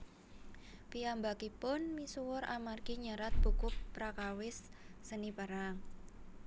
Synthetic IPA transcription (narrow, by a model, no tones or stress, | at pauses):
piambakipʊnmisuwʊɾa̰marɡiɲaɾat̪̚b̥ukʊk̚pɾakawɪsːənipaɾaŋ